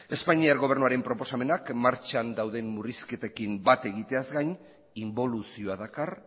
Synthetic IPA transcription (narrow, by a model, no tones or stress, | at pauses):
e̞spaɲiaɾɣo̞β̞e̞ɾnuaɾe̞mpɾo̞po̞same̞nakmaɾt͡ʃand̪awðe̞mːuriske̞t̪ekimbat̪e̞ɣit̪e̞azɡajɲ | imbo̞lusioaðakar